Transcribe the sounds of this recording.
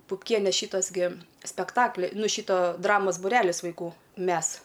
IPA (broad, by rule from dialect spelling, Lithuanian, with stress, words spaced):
pʊpʲˈkʲiɛnʲeː ˈʃʲiːtoːs ɡʲɪ sʲpʲɛkˈtɑːklʲɪ ˈnʊ ˈʃʲiːtoː ˈdrɑːmoːs bʊˈrʲæːlʲɪs ʋɐɪˈkuː ˈmʲɛs